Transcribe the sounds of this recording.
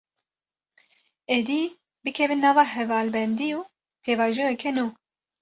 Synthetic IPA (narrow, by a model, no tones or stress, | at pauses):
ed̪i | bɨkʰɛvɨnːɑːvɑːhɛvɑːlbɛnd̪iuː | pʰeːvɑːʒɛwɛkʰɛnuː